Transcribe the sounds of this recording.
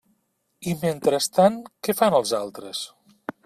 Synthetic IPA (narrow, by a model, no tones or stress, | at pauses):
iment̪ɾəst̪ankɛfanəlˠzalˠt̪ɾəs